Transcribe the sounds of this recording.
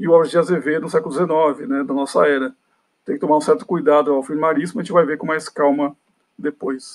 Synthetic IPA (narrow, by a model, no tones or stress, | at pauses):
ɪʊabɾʒiɐzevenʊsɛkʊlʊd̪ʲɪzenɔvɪnɛd̪ɐnɔsɐ̰ɛɾɐ | t̪ẽkɪt̪omaɾũsɛɾt̪ʊ̥kujd̪ad̪ʊawfilmaɾizmʊɐʒẽt͡ʃɪvajveɾkõmajskawmɐ | d̪epojs